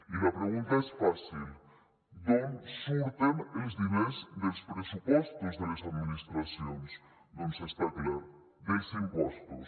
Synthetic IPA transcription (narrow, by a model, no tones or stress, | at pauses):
ilɐpɾeɣunt̪ɐɛsfasilˠ | d̪omsult̪enelzðinezðelˠspɾesupɔst̪uzðelezad̪minist̪ɾɐsjons | nõmsest̪aklaɾ | d̪elzimpɔst̪us